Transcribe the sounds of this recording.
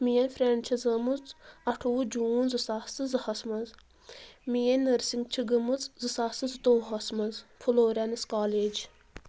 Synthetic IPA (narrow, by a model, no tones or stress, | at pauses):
mijɐnʲfɾʲeɳt͡ʃʰɐzɐmut͡sɐʈʰuud͡ʒuːnzɨsast͡sɨzɨhɐsmɐz | mijenʲːəɾsiŋɡt͡ʃʰiɡɨmɨt͡szɨsaːsɨzɨt̪oːɦɐsmɐzpʰuloːɾʲanɐskaːleːd͡ʒ